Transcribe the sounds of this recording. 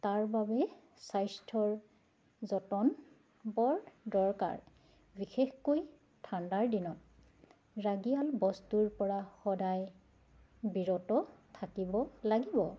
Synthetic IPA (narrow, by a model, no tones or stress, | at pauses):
taɹbabɛ | sajstʰɔɹ | zɔtɔn | bɔɹdɔɹka̰ɹ | bixexkoj | tʰandaɹdinɔt̚ | ɹaɡialbɔstuɹpɔɹaxɔdaj | biɹɔtɔtʰakibɔlaɡibɔ